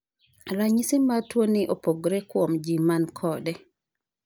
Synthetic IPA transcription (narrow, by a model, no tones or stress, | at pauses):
ɾaɲisɪmatwonɪʔopoɡɾɛkwomd͡ʒimankʰɔdɛ